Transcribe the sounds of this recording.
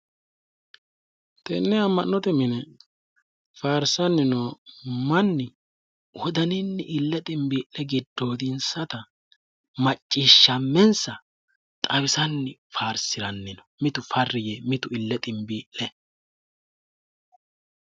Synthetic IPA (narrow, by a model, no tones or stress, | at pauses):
t̪ɛnːɛɐmːɐnːɔt̪ɛmɪnɛ | faːɾsɐnːɪnoːmɐnːɪ | wɔd̪ɐnɪnːɪʔɪlːɛt̪ʼɪmbiːʔɛɡɪd̪ːo̞ːd̪ɪnsɐt̪ɐ | mɐt͡ʃʼːiʃːɐmːɛnsɐ | t̪ʼɐwɪsɐnːɪfaːɾsɪɾɐnːɪnɔ̥mɪt̪ʊfɐrːɪjɛmɪt̪ʊɪlːɛt̪ʼɪmbiːʔːɛ